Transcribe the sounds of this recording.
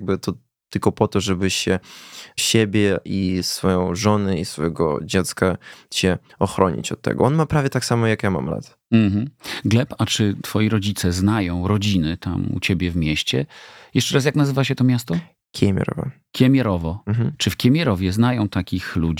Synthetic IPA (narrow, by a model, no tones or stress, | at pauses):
ɡ̚bɘt̪ɔ | t̪ːɘlkɔpɔt̪ɔʐɛbɘɕɛɕebʲjɛʔisfɔjɔ̃w̃ʐɔnɛisfɔjɛɡɔ̰d͡ʑɛt̪skaɕɛ | ɔxɾɔɲḭt͡ɕɔt̪ːɛ̰ɡɔ̰ɔnmapɾavʲjɛt̪aksamɔjakjama̰mla̰t̪ | m̩ɦm̩ɡlɛpat͡ʂɘt̪fɔjiɾɔd͡ʑit̪sɛznajɔ̃w̃ɾɔd͡ʑinɘt̪a̰mṵt͡ɕebʲjɛvmʲɛɕt͡ɕɛjɛʂt͡ʂɛɾas̬jaknazɘvaɕɛt̪ɔmʲjast̪ɔ | kʲʰɛmʲjɛ̰ɾɔ̰vɔ̰ | kʲjɛmʲjɛɾɔvɔm̩ɦm̩t͡ʂɨfkʲjɛmʲjɛɾɔvʲjɛznajɔ̃w̃t̪akʲixlud͡ʑ